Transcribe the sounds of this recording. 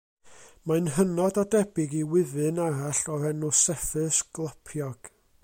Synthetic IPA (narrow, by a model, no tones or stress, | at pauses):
maɨnɦənɔdɔdɛbɪɡiwɪðɨnaɾaɬɔrɛnusɛfɨsɡ̥lˠapʰjɔɡ̥